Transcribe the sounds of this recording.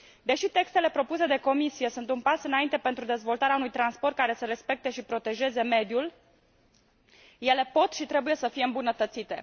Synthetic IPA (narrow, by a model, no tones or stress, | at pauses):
d̪e̞ʃit̪e̞kst̪e̞le̞pɾo̞puse̞d̪e̞ko̞misije̞sunt̪unpasɨnaint̪e̞pe̞nt̪ɾud̪e̞zvo̞lt̪aɾeaunujt̪ɾanspo̞rt̪kaɾe̞səɾe̞spe̞k̚t̪e̞ʃipɾo̞t̪e̞ʒe̞ze̞me̞d̪jul | je̞le̞po̞t̪ʃit̪ɾe̞buje̞səfijeɨmbunət̪ət̪sit̪e̞̰